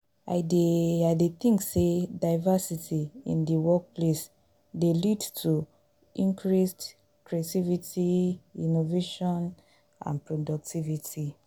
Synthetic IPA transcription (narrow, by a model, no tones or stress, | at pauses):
a̰ɪdeaɪdetĩŋksedaɪvasitiḭ̃ndiwɔk̚ples | delidtʰu | ʔĩŋkɹist | kɹeativitiinoveʃɔ̃n | ã̰npɹodɔk̚tʰivitʰi